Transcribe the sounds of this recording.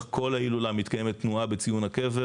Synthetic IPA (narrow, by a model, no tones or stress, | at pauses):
kʰo̞lailulamit̪kaje̞met̪ːnuabet͡sijunhakeve